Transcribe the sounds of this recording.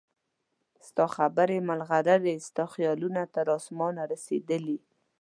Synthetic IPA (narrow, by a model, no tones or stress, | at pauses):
st̪ɑxabəɾemalɣaɾaɾest̪ɑxjɑlunat̪aɾɑsmɑnaɾased̪əli